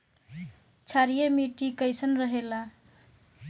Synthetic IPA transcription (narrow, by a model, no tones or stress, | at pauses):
t͡ʃʰaɾijemiʈikəjsənɾəɦela